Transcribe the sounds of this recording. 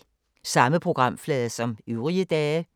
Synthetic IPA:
sɑ̈məpʰʁo̝ɡ̥ʁɑ̈m̰flɛːðˠsɒ̽myʊʁiəd̥ɛː

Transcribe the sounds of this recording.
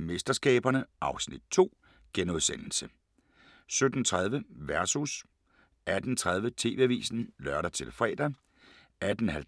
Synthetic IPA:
mesd̥ɐsɡ̥ɛ̰ːb̥ɐnəʔɑ̈ʊsnid̥̚t͡sʰo̝̰ː | ɡ̥enoðˠsen̰l̩sə | sød̥n̩t͡sʰʁað̞ˠʋəʋæɐsus | æd̥n̩t͡sʰʁað̞ˠʋət͡sʰe̝̰ːʋe̝̰ʋḭːsn̩lɶɐɾɐt͡sʰe̝lfʁɛ̰ːd̥ɐ | æd̥n̩hæl

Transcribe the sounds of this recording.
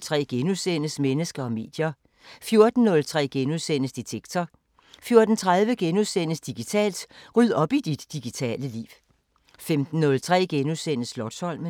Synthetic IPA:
t͡sʰʁɛ̰ːɡ̥enuðˠsen̰əsmenəsɡ̥ɐɒ̽me̝̰ːd̥jɐ | fjo̝ɐd̥n̩nɔ̽lt͡sʰʁɛ̰ːɡ̥enuðˠsen̰əsd̥it͡sʰeɡ̥t͡sʰɒ | fjo̝ɐd̥n̩t͡sʰʁað̞ˠʋəɡ̥enuðˠsenəsd̥iɡ̥it͡sʰɛ̰ːld̥ʁyð̰ˠɒ̽b̥id̥id̥ːiɡ̥it͡sʰɛ̰ːləlḭːʊ | femd̥n̩ːɔ̽lt͡sʰʁɛ̰ːɡ̥enuðˠsen̰əslɒd̥shɒ̽l̰mə

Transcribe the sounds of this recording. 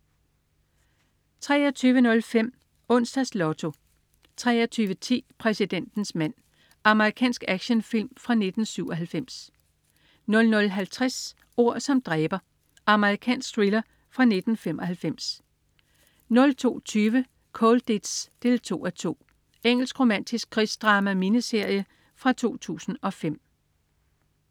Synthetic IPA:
t͡sʰʁɛ̰ːɐt͡sʰyːʋənɔ̽lfem̰ | ɔ̽n̰sd̥æslɒ̽t͡sʰo̝ | t͡sʰʁɛːɐt͡sʰyːʋət͡sʰḭːpʰʁɛsid̥en̰d̥n̩smæn̰ | ɑ̈məʁikʰɛ̰ːnsɡ̥æɡ̥ɕənfil̰mfʁɑ̈ne̝d̥n̩syʊɒ̽ɦælfem̰s | nɔ̽lnɔ̽lɦælt͡sʰʁas | o̝ɐ̰sɒ̽md̥ʁɛːb̥ɐ | ɑ̈məʁikʰɛ̰ːnsɡ̥d̥ʁilɐ | fʁɑ̈ne̝d̥n̩femɒ̽ɦælfem̰s | nɔ̽lt͡sʰo̝̰ːt͡sʰyːʋə | kʰɔld̥ed̥sd̥e̝lt͡sʰo̝̰ːæt͡sʰo̝̰ː | eŋ̰l̩sɡ̥ʁo̝mæn̰d̥isɡ̥̚kʰʁisd̥ʁɑ̈ːmæminəse̝ɐ̰jə | fʁɑ̈t͡sʰo̝̰ːt͡sʰṵːsn̩ɒ̽fem̰

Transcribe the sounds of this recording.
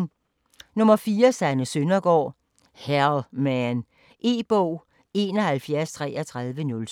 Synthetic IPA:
nɔ̽mɐfiːɐsænəsønɐɡ̥ɒ̰ː | hælmæn | ʔe̝̰ːb̥ɔʊ̰ | e̝nɒ̽hælfjæɐst͡sʰʁɛ̰ːɐt͡sʰʁɑ̈ðˠʋənɔ̽l

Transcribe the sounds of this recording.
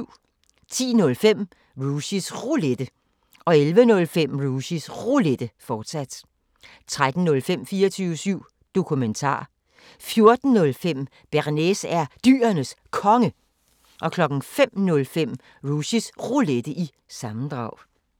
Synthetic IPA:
t͡sʰḭːnɔ̽lfem̰ | ʁuɕisʁuled̥ə | ʔɒ̽elʋənɔ̽lfem̰ʁuɕisʁuled̥əfɒːd̥sæd̥ | t͡sʰʁad̥n̩nɔ̽lfem̰fiːɐt͡sʰyːʊəsyʊ̰ | d̥o̝kʰument͡sʰɑ̰̈ː | fjo̝ɐd̥n̩nɔ̽lfem̰ | b̥æʁnesæɐd̥y̰ːɐnəs | kʰɒ̽ŋə | ʔɒ̽kʰlɒ̽ɡ̥n̩fem̰nɔ̽lfem̰ | ʁusisʁoled̥əʔi | sɑ̈mn̩d̥ʁɑ̈ʊ̰

